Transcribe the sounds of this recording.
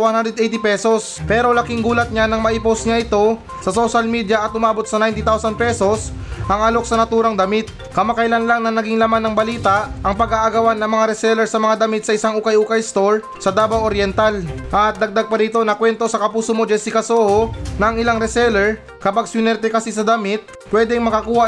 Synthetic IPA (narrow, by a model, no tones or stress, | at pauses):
wanhand̪ɾɛd̪ejt̪ɪpɛso̞spɛːɾo̞lɐkɪŋɡuːlɐt̪̚ɲanɐŋmɐʔiposɲaʔɪt̪o̞ | sɐso̞ʃɐlmiːd̪jɐʔɐt̪̚ʔʊmaːbot̪̚sɐnajnt̪it̪awsɐn̚pɛso̞s | ʔɐŋɐloksɐnɐt̪uːɾɐŋd̪ɐmɪt̪̚ | kɐmakɐjlanlaŋnɐnɐɡiŋlɐmanːɐŋbɐliːt̪ɐʔʔɐŋpɐɡaʔɐɡɐwanːɐŋmɐŋaɾɛsɛlɛɹsɐmɐŋad̪ɐmɪt̪̚sɐɪsaŋʔuːkɐjʔuːkɐjst̪o̞ɹ | sɐd̪aːbawʔoɾjɛnt̪alʔɐt̪̚d̪ɐɡ̚d̪aɡ̚pɐɾiːt̪o̞nɐkwɛnt̪o̞sɐkɐpuːsomod͡ʒɛsikɐsoːhonɐŋɪlaŋɾɛsɛlɛɹ | kɐpaɡ̚sjʊnɛɾt̪ɛkɐsisɐd̪ɐmɪt̪̚ | pwɛd̪ɛŋmɐkɐkuːha